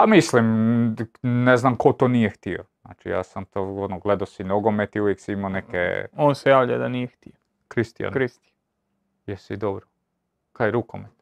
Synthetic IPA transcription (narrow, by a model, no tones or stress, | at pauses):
pamislim | neznamko̞t̪onijext̪iona̰ːt͡ʃḭja̰ːsamt̪oonoɡled̪asinoɡo̞met̪iuʋjeksiimanekḛonsejaːʋʎa̰d̪anijext̪ijo | kɾist̪ija̰nɾist̪i | jesid̪obɾo | kajeɾukomet̪